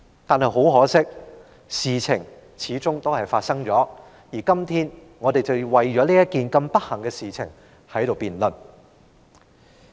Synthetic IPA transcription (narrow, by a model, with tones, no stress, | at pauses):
t̪aː˨nɦɐ˨jɦo˨˥wɦɔː˨˥sɪ˥k̚ | siː˨t͡sʰɪ˨˩ŋ | t͡sʰiː˨˥t͡sʊ˥ŋt̪o˥whɐ˨˩jfaː˧tsɐ˥ŋt͡ʃɔː˨˥ | jiː˨˩kɐ˥mt̪ʰiː˥n | ŋɔː˨˧t̪e˨jt͡sɐ˨wwɐ˨jt͡ʃɔː˨˥liː˥jɐ˥kiː˨nkɐ˧mpɐ˥t̚hɐ˨˩ŋkɛː˧siː˨t͡sʰɪ̰˨˩ŋ | hɐ˨˥jt̪o˨wpiː˨nlɵ˨˩n